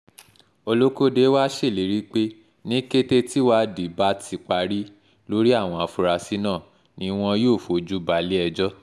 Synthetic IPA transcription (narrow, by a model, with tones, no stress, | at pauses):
o˧lo˦ko˦de˨˦wa˦ʃe˦˨li˨˦ɾi˦k͡pe˦ | nĩ˦ke˦te˦ti˦wa˦di˨˦ba˦tʰi˧k͡pa˧ɾi˦ | lo˦ɾi˦a˦˨w̃ɔ̃˧a˧fu˧ɾa˧si˦nãː˦˨ | nĩ˨˦w̃ɔ̃˧joː˦˨fo˨d͡ʒu˦ba˨li˦ɛ˧d͡ʒɔ˦